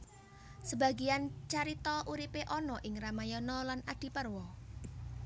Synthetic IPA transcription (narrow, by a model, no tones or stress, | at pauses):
səba̤ɡiant͡ʃaɾit̪ɔʔuɾipeʔɔnɔʔɪŋramajɔnɔlanaɖ̪̥i̤pərwɔ